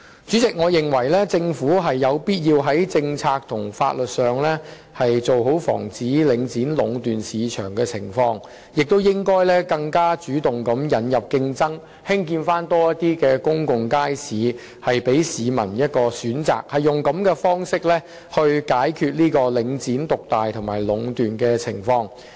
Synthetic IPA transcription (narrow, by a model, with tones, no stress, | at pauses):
t͡syː˨˥t͡sɪ˨k̚ŋɔː˨˧jɪ˨ŋwɐ˨˩jlɛː˥t͡sɪ˧ŋfuː˨˥ɦɐ˨jːɐ˨˧wpiː˥t̚jiː˧wɦɐ˨˥jt͡sɪ˧ŋt͡sʰaː˧k̚t̪ʰʊ˨˩ŋfa̰ː˧t̚lɵ˨t̚sœː˨ŋlɛː˥ | hɐ˨jt͡so˨wɦo˨˥wfɔ̰ː˨˩ŋt͡siː˨˥lɪ˨˥ŋt͡siː˨˥nlʊ˨˧ŋt̪yː˨nsiː˨t͡ʃʰœ̰ː˨˩ŋkɛː˧t͡sʰɪ̰˨˩ŋfɔː˧ŋ | jɪ˨k̚t̪o˥wjɪ˥ŋkɔː˥jlɛː˥kɐ˧ŋkaː˥t͡syː˨˥t̪ʊ˨ŋkɐ˨˥mjɐ˨˧njɐ˨˩p̚kɪ˧ŋt͡sɐ˥ŋ | hɪ˥ŋk̬iː˧nfaː˥nt̪ɔː˥jɐ˥t̚t̪iː˥kɛː˧kʊ˥ŋkʊ˨ŋkaː˥jsiː˨˥ | hɐ˨jpe˨˥jsiː˨˧mɐ̰˨˩njɐ˥t̚kɔː˧syː˨˥nt͡sa̰ː˨˩k̚hɐ˨jːʊ˨˩ŋkɐ˨˥mkɛː˧fɔː˥ŋsɪ˥k̚lɛː˥ | hɵ˧ɥkaː˨˥jkʰyː˧t̚liː˥kɔː˧lɪ˨˧˥ŋt͡siː˨˥nt̪ʊ˨k̚t̪aː˨jt̪ʰʊ˨˩ŋmaː˨˩jlʊ˨˧˥ŋt̪yː˨nkɛː˧t͡sʰɪ˨˩ŋfɔː˧ŋ